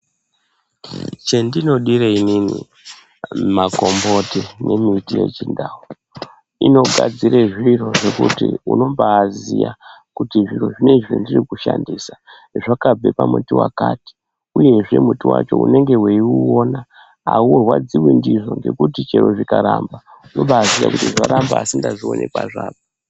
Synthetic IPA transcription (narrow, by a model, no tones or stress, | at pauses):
t͡ʃendino̞ɗireininḭ | makombotene̞mitije̞t͡ʃindaːwo | ino̞ɡʱad͡ziɾeʐiro̞ʐe̞kutḭṵno̞mbaːzijakutiʐiro̞ʐine̞ʐḛndirikuʃandiːsa | ʐakab͡vʱe̞pamutiwakaːti̥ | uje̞ʐe̞mutiwa̰t͡ʃo̞ṵne̞ŋɡe̞weiuona | auweɦwad͡ziwindiʐo̞ŋɡe̞kutit͡ʃe̞ɾoʐikaɾaːmba | uno̞ɓaːzija̰kutiʐaɾambaːsindaʐio̞̰nʔekwaʐaːɓo